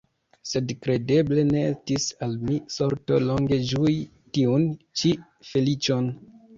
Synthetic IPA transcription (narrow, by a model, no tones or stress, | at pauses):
se̞dkɾe̞de̞ble̞ne̞estisalmiso̞ɾtolo̞ŋɡe̞d͡ʒui | tiunt͡ʃi | fe̞lit͡ʃo̞n